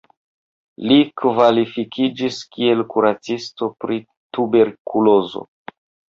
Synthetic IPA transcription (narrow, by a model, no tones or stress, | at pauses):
likvalifikʰid͡ʒiskie̞lkuɾat͡sisto̞pɾi | tube̞ɾkulo̞zo̰